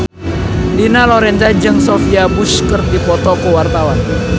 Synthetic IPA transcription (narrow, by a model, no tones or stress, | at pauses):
linalɔɾɛnzad͡ʒɨŋsɔfiabuskərt̪̚dipɔt̪ɔkuwart̪awan